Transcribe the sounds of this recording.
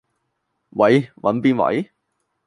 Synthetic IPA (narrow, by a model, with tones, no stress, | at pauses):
wɐ˨˥jwɐ̰˨˥npiː˥nwɐ̰˨˥j